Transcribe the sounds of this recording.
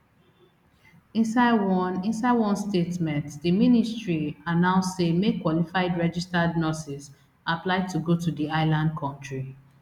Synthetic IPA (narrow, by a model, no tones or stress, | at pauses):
ĩsanĩnsaɪwɔ̃nstetmɛ̃ntdiministɹianãʊssemekwɔlifaɪdɹɛd͡ʒistadnɔsis | aplaɪtʰuɡotudiaɪlãnd̚kʰɔ̃ntɹi